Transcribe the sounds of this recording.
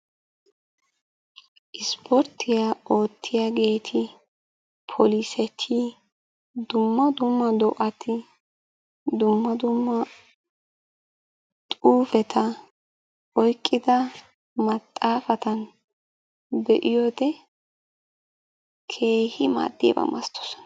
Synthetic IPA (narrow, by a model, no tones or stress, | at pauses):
ʔɪspʰɔɾt̪ʰːɪjaːo̞ːt̪ʰːɪjaːɡe̞ːt̪ʰɪ | pʰɔlisɛt̪ʰi | d̪ʊmːɐd̪ʊmːɐd̪ɔʔɐt̪ʰɪ | d̪ʊmːɐd̪ʊmːɐ | t̪ʼuːfɛt̪ʰɐ | ɔjkʼːɪd̪ɐ | mɐt̪ʼːaːfɐt̪ɐn | bɛʔɪjɔd̪ɛ | kʰe̞ːhɪma̰ːd̪ːḭbɐ̰mɐ̰st̪ʰːɔ̥sɔ̥